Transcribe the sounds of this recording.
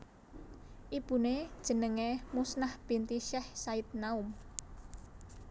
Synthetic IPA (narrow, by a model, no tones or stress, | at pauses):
ʔib̥ṳned̥ʒ̥ə̤nəŋemusnahb̥i̤nt̪iʃɛhsait̪̚naum